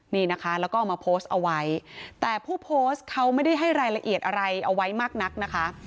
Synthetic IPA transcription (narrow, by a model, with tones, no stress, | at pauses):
niː˥˩na˦˥kʰa˦˥lɛː˦˥wkɔː˥˩maː˧pʰoː˦˥st̪̚ʔa˧wa˦˥jt̪ɛː˨˩pʰuː˥˩pʰoː˦˥st̪̚kʰa˦˥wma˥˩jda˥˩jɦa˥˩jɾaː˧jla˧ʔi˨˩ət̪̚ʔa˧ɾa˧jʔa˧wa˦˥jmaː˥˩k̚na˦˥k̚na˦˥kʰa˦˥ʔ